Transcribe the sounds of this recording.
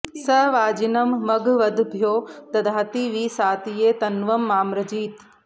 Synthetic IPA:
sɐʋaːd͡ʒinɐmːɐɡʋɐd̪ʱbʱjoːt̪ɐd̪ʱaːt̪iʋiːsaːt̪ijeːt̪ɐnʋɐmːaːmɾɐd͡ʑiːt̪

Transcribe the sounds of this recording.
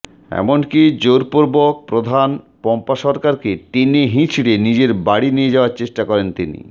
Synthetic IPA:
ɛ̰monkid͡ʑoɾpoɾbok̚pɾod̪ʱan | pɔmpaʃɔɾkaɾket̪iniɦĩt͡ɕʰiɽenid͡ʑeɾbaɽinijed͡ʑaoaɾt͡ɕeʃʈakɔɾent̪inḭ

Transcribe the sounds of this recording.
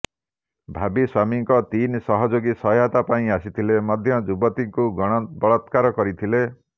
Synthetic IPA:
bʱabiswamiŋkɔt̪insɔɦɔd͡ʒoɡisɔat̪apaĩasit̪ʰilemɔd̪ʱjɔd͡ʒubɔt̪iŋkuɡɔɽ̃ɔbɔɭɔt̪kaɾɔkɔɾit̪ʰile

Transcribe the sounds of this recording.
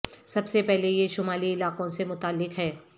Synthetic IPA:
sɐbsepɛɦlejeʃʊmaːliɪlaːqõsemʊt̪aːlːɪkɦɛː

